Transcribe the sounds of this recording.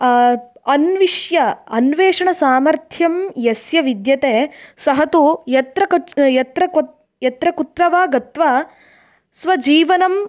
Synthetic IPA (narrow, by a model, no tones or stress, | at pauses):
ɐnʋiʂjɐɐnʋeːʂɐɳɐsaːmɐɾt̪ʰjɐmjɐsjɐʋid̪jɐt̪eːsɐɦɐt̪ujɐt̪ɾɐkɐjɐt̪ɾɐk | jɐt̪ɾɐkut̪ɾɐʋaːɡɐt̪ʋɐ | sʋɐd͡ʒiːʋɐnɐm